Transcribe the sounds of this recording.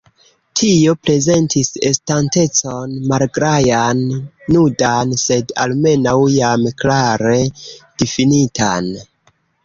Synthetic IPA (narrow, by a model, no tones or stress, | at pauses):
tʰio̞pɾe̞ze̞ntise̞stante̞t͡so̞nmalɡɾajanːudanse̞da̰lme̞nawjamklaɾe̞d̥ifinita̰n